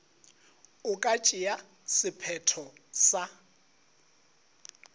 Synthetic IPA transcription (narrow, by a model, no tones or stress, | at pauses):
ʊkʼat͡ʃʼɪja | sɪpʰɛtʰɔsa